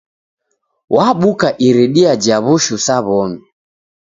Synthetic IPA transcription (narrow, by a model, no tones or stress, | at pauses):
wʔaɓukaʔiɾiɗiad͡ʒaβuʃusaβɔmi